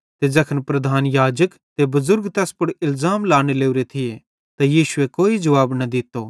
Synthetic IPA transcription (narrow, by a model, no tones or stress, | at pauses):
t̪ed͡ʒɐkʰənpɾɐd̪ʱaːnjaːd͡ʒək | t̪ebɐzʊɾɡt̪ɛːspʊɽɪlzaːmlaːɽ̃eleːuɾet̪ʰɪje | t̪ajiːʃʊekoːid͡ʒɐʋaːbnɐd̪ɪt̪ːoː